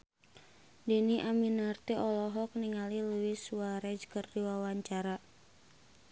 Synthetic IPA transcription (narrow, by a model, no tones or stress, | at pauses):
diniʔaminart̪ɛʔɔlɔɦɔk̚niŋaliluiswaɾɛd͡ʒkərdiwawaɲt͡ʃaɾa